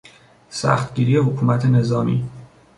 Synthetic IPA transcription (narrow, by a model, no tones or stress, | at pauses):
sæ̰xt̪̚ɟiːɾijehokʰuːmæt̪ʰene̞zɒːmḭː